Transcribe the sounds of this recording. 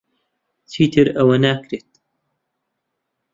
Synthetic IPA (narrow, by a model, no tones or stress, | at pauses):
t͡sʰiːt̪ʰɨɾɐwɐnaːkɾeːt̪̚